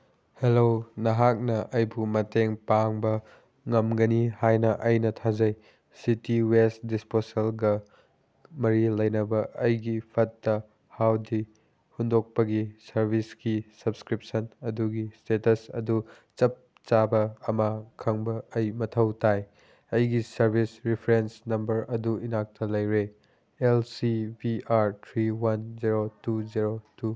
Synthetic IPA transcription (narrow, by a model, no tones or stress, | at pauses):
helonɐɦak̚nɐʔɐjbumɐteŋpaŋbɐ | ŋɐmɡɐnihajnɐʔɐjnɐtʰazɐj | sitiwestdisposelɡɐ | mɐɾilɐjnɐbɐʔɐjɡipʰɐtːɐ | hawdi | hundok̚pɐɡisɐɾbʱiskisɐbskɾip̚sɐnɐduɡistetɐsɐ̰du | t͡ʃɐp̚ | t͡ʃabɐːmakʰɐŋbɐːjmɐtʰɐwtaj | ɐjɡisɐɾbʱisɾipʰɾensnɐmbɐɾɐduinak̚tʰɐlɐjɾe | elsibiʔaɾtʰɾiwand͡ʒiɾotuziɾotu